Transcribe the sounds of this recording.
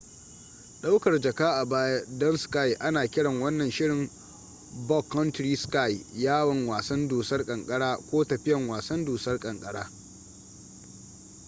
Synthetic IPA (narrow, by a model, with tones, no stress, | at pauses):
ɗa˦wkɐ˨rd͡ʒɐ˨kaː˦ʔa˨baː˦ja˦dɔ˦nska˦jʔa˦naː˨kʲɪ˦ɽɐ˨ŋwɐ˦nːɐ˨nʃɪ˦ɽɪ˨m | bɔ˦kːɔ˦ntɾiː˦ska˦˨jjaː˦wɐ˨ŋwaː˨sɐ˦nduː˨sɐ˦rkʼɐ˨ŋkʼɐ˦ɽaː˦kʷoː˦tɐ˨ɸɪ˦jɐ˨ŋwaː˨sɐ˦nduː˨sɐ˦rkʼɐ˨ŋkʼɐ˦ɽa̰ː˦